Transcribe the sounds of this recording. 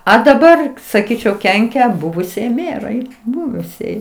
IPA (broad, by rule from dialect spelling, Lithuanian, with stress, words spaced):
ɐ dɐˈbɐr sɐˈkʲiːt͡ʃʲɛʊ ˈkʲɛŋʲkʲɛ ˈbʊʋʊsʲiɛj ˈmʲæːrɐɪ ˈbʊʋʊsʲiɛj